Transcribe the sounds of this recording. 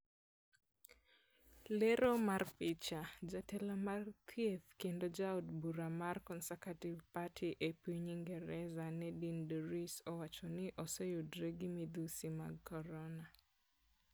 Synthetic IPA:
leɾomarpɪt͡ʃad͡ʒatɛlɔmarkʰjeθkendod͡ʒaodbuɾamarkɔnsakativpatʰiʔepiɲiŋɡɛɾɛzanɛdindɔɾisɔwat͡ʃɔnɪʔɔsɔjodɾeɡimid̪usimaɡkɔɾɔna

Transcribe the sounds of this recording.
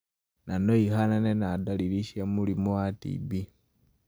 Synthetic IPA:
nanoihananenadaliɾiʃjamulimuatḭbi

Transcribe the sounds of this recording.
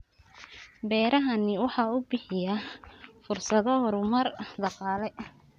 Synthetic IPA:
bɛːɾɐɦɐnɪwɑħɑubɪħɪjɐfʊrsɐðɔhɔɾʊmɐrd̪ɑqɑːlɛ

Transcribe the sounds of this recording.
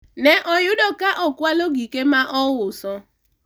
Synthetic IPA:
nɛʔojʊdɔkaʔɔkwaloɡikemaʔɔwʊsɔ

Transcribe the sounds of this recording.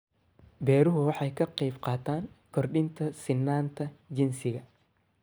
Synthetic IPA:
bɛːɾʊɦʊwɑħɑjkʰɐqɛjfqɑːt̪ʰaːŋkʰɔrɗɪnt̪ʰɐsɪnːaːnt̪ʰɐd͡ʒɪnsɪɣɐ

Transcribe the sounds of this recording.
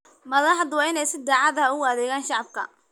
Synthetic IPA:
mɐðɐħd̪wɑːɪnɛjsɪd̪aːʕɑðɐɦɐʊɣɐðɛːɣaːnʃɑʕɑb̚kʰɐ̰

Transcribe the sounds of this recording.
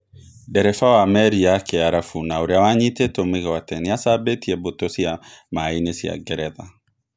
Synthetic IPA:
dɛɾɛfawamɛɾiakʰeaɾafunawɾjawaɲit̪et̪omikɛwat̪ɛnijasabet̪iebot̪osiamainesia̰ɡɛɾɛða

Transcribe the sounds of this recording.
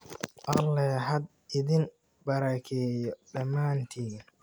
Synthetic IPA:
ʔɐlːɛɦɐd̪ | ɪðɪn | bɐɾɐkʰɛːjɔɗɐmːaːnt̪ʰiːn

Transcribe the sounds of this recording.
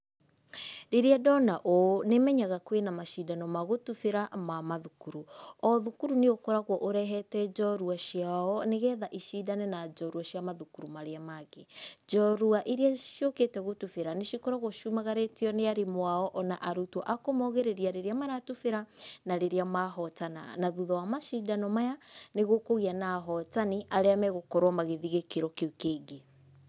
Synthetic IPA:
ɾeɾeadɔnaʔonemɛɲaɣakwenamaʃidanɔmaɣotufeɾamamaðukuɾuɔðukuɾuneokɔɾaɣwɔʔoɾɛɦɛtɛd͡ʒɔɾuaʃjaɔneɣɛðaʔiʃidanɛnad͡ʒɔɾuaʃjamaðukuɾumaɾeamaɣed͡ʒɔɾuaʔiɾeaʃjoketɛɣotufeɾaneʃikɔɾɔɣoʃumaɣaɾetiɔneaɾemwaɔʔɔnaʔaɾutwɔʔakomɔɣeɾeɾiaɾeɾeamaɾatufeɾanaɾeɾeamaɦɔtana̰naðuðɔwamaʃidanɔmajaneɣokoɣianaɦɔtaniʔaɾeamɛɣokɔɾwamaɣeðiɣekeɾɔkekeːɡe

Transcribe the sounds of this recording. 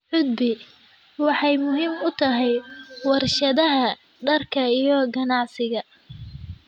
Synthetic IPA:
ħʊd̪̚bɪ | wɑħɑjmʊɦiːmʊt̪ʰɐɦɛjwɑrʃɐðɐɦɐ | ɖɐrkʰɐijɔɡɐnɑʕsɪɣɐ

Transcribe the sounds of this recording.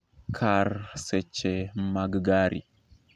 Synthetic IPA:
kʰaɾset͡ʃːemaɡɡaɾʔḭ

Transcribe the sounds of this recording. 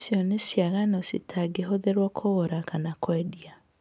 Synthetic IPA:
sjɔnesiaɣanɔsḭtʰaɡeɦoðeɾwɔkʰoɣoɾakanakwɛdia

